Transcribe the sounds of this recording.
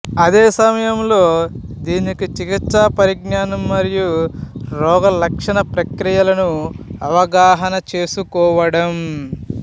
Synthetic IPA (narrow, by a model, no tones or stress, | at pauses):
ɐd̪eːsɐmɐjɐmlo̞ː | d̪iːnikit͡ʃikit̪sɐpɐɾiɡnaːnɐmːɐɾijuɾɔːɡɐlɐkʂɐnɐpɾɐkɾijɐlɐnuɐʋɐɡaːɦɐnɐt͡ʃe̞ːsukɔːʋɐɽɐm